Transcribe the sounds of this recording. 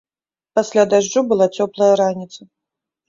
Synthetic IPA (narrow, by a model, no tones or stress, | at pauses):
pasʲlʲad̪aʐd͡ʐubɨlˠat͡sʲɔplˠɐjɐɾanʲit̪sɐ